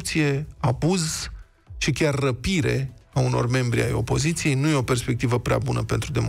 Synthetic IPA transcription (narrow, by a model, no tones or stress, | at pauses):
pt̪sije̞abuz | ʃikʲarːəpiɾe̞̰auno̞̰rme̞mbɾḭa̰jo̞̰po̞zit̪sije̞jnuje̞o̞pe̞rspe̞k̚t̪ivəpɾea̰bunəpe̞nt̪ɾud̪e̞m